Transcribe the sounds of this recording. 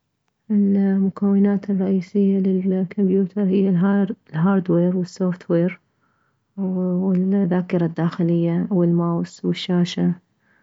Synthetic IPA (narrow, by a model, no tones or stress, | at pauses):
ʔɪlmʊkawːɪnaːt̪ɪrˤːɑʔiːsɪjːalɪlkʰʊmbjuːt̪ʰɑɾˤhɪjːallɦaːɾˤd̪weːɾwɪsːoːft̪weːɾ | wɪlðaːkɪɾˤad̪ːaːxɪlɪjːawɪlmaːwswɪʃːaːʃa